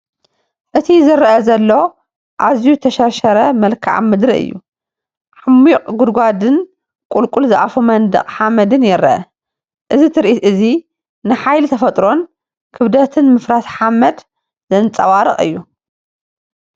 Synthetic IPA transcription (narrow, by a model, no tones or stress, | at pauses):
ʔɨt̪ʰizɨɾɐʔɐzɐlːo̞ | ʔazijuzɨt̪ʰɐʃɐɾʃɐɾɐmɐlkʰa̰ʕmɨd̪ɾiʔɨ̰jːṵ | ʕamːiqʼɡud̪ɡʷad̪ɨn | kʼulkʼulzɨʔa̰fumɐnd̪ɐ̰χʼħamɐd̪ɨnjɪɾɐʔɐ | ʔɨzit̪ʰɨɾʔit̪ʔɨzi | nɨħajlt̪ʰɐfɐt̪ʼɾo̞n | kʰɨβd̪ɐt̪ʰɨnmɨfɾat̪ħamɐd̪ | zɐnɨt͡sʼːɐwaɾɨ̰χʼɨ̰jːu